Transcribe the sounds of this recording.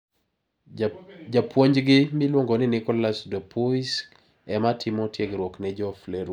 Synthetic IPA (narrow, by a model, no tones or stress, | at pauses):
d͡ʒapwoɲd͡ʒɡɪmɪlwoŋɡɔnɪnɪkɔlasdɔpʰuis | ɛmatʰɪmɔtjeɡɾwɔknɛd͡ʒɔflɛɾ